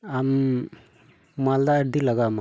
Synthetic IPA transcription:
am | mald̪aəɾd̪ilaɡama

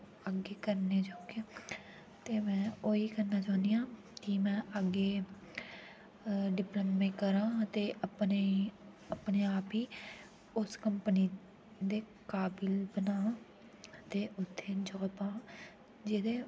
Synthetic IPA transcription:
əɡeːkəɾneːt͡ʃaːke | t̪eːmɛ̃ːoːiːkəɾnaːt͡ʃaːnd̪ijãː | kimɛ̃ːʔəɡeː | ɖɪpləmːẽːkəɾãːt̪eːʔəpneː | əpneːaːpiː | ʊskəmpəniː | d̪eː | kaːbɪlbənãː | t̪eːʊt̪ʰːeːd͡ʒəɡpãː | d͡ʒɪd̪eː

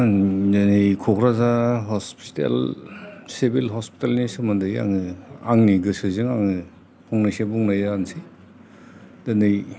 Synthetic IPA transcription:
danɯjkʰɔkʰɾazaɦɔspitḛl | sebilɦɔspi̥talnisɯmandɯja̰ŋɯaŋniɡɯsɯzɯŋaŋɯ | pʰɔŋnajsebuŋnajansi | danɯj

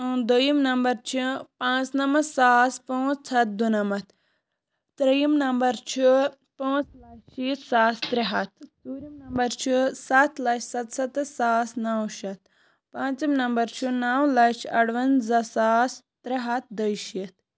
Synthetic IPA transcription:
d̪əjimnɐmbɐɾt͡ʃʰipãːt͡snɐmɐsaːspõːt͡st͡sʰɐt̪̚d̪unɐmɐt̪ | t̪ɾɐjimnɐmbɐɾt͡ʃʰi | põːt͡slɐʃiːt̪saːst̪ɾiɦɐt̪ʰsuːɾʲimnɐmbɐɾt͡ʃʰisɐt̪ʰlɐʃsɐt̪sɐt̪ɨsaːsnaːwʃɐt̪̚ | pãːt͡sɐmnɐmbɐɾt͡ʃʰinaːwlɐʃɐɽʋɐnzɐsaːs | t̪ɾiɦɐt̪̚d̪əjʃiːt̪

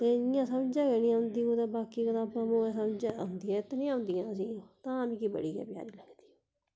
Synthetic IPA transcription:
t̪eːɪjãːsəmd͡ʒãːkɛːnĩːãʊ̃nd̪iːkod̪ãːbaːkiːkəd̪ãːpãːmoːẽːsəmd͡ʒaːʊ̃nd̪ijãːɪt̪nĩːãːʊ̃nd̪ijãːəsĩːt̪ãːmĩːkiːbə̰ɽiːɛ̰ːpja̰ːɾiːləɡd̪i̥ː

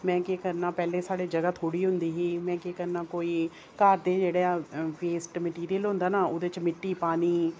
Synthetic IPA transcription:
mɛ̃ːkekəɾnaːpɛːleːsaːɽeːd͡ʒəɡaːt̪ʰoːɽiːɦʊ̃nd̪iːɦiːmɛ̃ːkeːkəɾnaːkoːiː | kaːɾd̪eːd͡ʒeːɽeaːpeːsʈməʈiːɾijəlɦʊ̃nd̪aːnaːʊd̪et͡ʃmɪʈːiːpaːniː

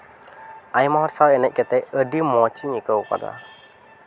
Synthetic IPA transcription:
ajmɔɦɔɾsawɛnɛc̚kɛt̪ɛjədimɔt͡ʃiɲikəwka̰d̪a̰

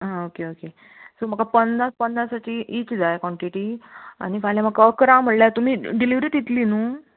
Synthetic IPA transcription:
ɦãokeoke | som̤əɡkapənnaspənːasat͡ɕiːʔiːt͡ɕd͡zajkɔɳʈiʈia̰ñifajljam̤əkəkɾãm̤əɽljat̪um̤iːɖiliʋɾiːʈjit̪linuː

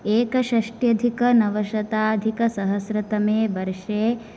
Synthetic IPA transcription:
eːkɐʃɐʂʈjɐd̪ʱikɐnɐʋɐʃɐt̪aːd̪ʱikɐsɐɦɐsɾɐt̪ɐmeːbɐɾʂeː

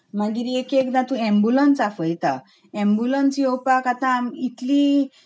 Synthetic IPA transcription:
mãɡiɾiekekd̪ãt̪ũɛ̃mbulənsafəjt̪a | ɛ̃mbulənsiɔpakat̪ãmit̪li

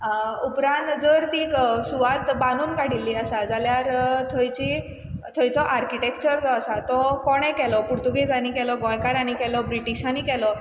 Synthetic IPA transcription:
upɾãnt̪d͡zəɾt̪isuʋat̪bãnuːnkaɽilːiːəsad͡zaljaɾt̪ʰɔjt͡ɕi | t̪ʰɔjt͡sɔʔaɾkiʈekt͡ɕəɾd͡zɔasat̪ɔkɔɽ̃ɛ̃kɛlɔpuɾt̪uɡid͡zanikɛlɔɡɔ̃jkaɾañikɛlɔbɾiʈiɕanikɛlɔ

